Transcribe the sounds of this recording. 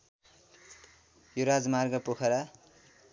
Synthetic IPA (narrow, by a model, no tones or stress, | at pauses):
joɾad͡zmarɡʌpokʰʌɾa